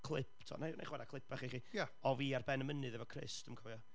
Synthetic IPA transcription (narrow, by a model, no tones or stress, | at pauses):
kʰlˠɪpʰtʰɔ̰nana̰jχwɛdakʰlˠɪpʰaχiχiːjaɔviːarbɛnəmənɨðɛvɔkʰrɪ̰stəmkʰɔvɔ